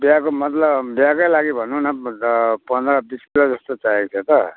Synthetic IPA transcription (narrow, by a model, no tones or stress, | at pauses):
bjakomʌt̪lʌbbjakajlaɡibʱʌnunʌpʌnd̪ɾʌbiskilad͡zʌst̪ot͡sajekt̪ʰet̪ʌ